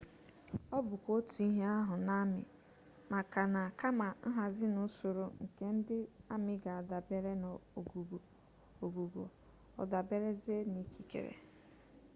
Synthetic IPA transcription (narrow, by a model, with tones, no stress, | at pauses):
ɔ˦bʊ˨kʷo˦tu˨i˦ɦe˦a˦ɦʊ˨na˦mɪ̰˨ | ma˨ka˨na˨ka˦ma˨n̩˦ɦa˨zɪ˦nʊ˦so˨ɾo˨ŋ̩˨ke˦n̩˦dɪ˦a˦mɪ˨ɡa˨a˨da˨be˦ɾe˦n˨o˨ɡu˨ɡo˨ | o˨ɡu˨ɡo̰˨ | ɔ̰˨da˨be˦ɾe˦ze˦ni˨kʰi˨kḛ˨ɾḛ˨